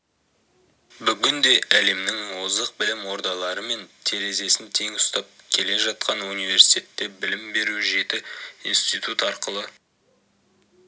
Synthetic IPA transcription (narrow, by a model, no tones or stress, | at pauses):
bʏɡʲɪnd̪e̞æle̞mnɪŋmwzd̪əq̚bɪlɪmwo̞ɾd̪ɑlˠɑɾəme̞nt̪ʰe̞ɾe̞ze̞sɪnt̪ʰe̞ŋʊst̪ɑp̚kʲʰe̞le̞ʒɑt̪̚qɑnunijve̞ɾsi̥jt̪ʲe̞t̪ːe̞bɪlɪmbe̞ɾuʒe̞t̪ɪinst̪ijt̪ut̪ɑɾqəlˠə